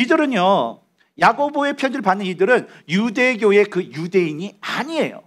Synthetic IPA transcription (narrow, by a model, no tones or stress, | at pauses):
idɯɾɯɲjo | jaɡoboe̞pʰjʌndɯɭpanːɯnidɯɾɯn | jude̞ɡjoe̞kɯjude̞iɲiaɲie̞̰jo̰